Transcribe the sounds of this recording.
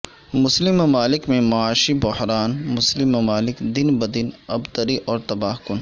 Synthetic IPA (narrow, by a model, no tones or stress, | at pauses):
mʊslɪmːɐmaːlɪkmẽmɐaːʃibʊhɾaːnmʊslɪmːɐmaːlɪkd̪ɪnbɐd̪ɪnɐbt̪ɐɾiʔɔːɾt̪ɐbaːɦkʊn